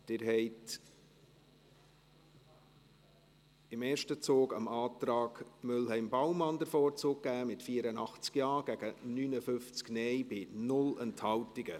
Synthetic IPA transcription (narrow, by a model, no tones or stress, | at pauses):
d̥ɪɾɦɛɪt | ɪmɛːɾʃtət͡soːɡɑ̰mɑːt̪ɾɑːɡmʏlɦɛɪmbɑwmɑndəɾfɔːɾt͡soːk̚kæːmɪtfiːəɾənɑχt͡skjɑːɡ̥æɡ̥ənyːnəfʏft͡sknɛjbɪnʊlɛnthɑwtɪɡə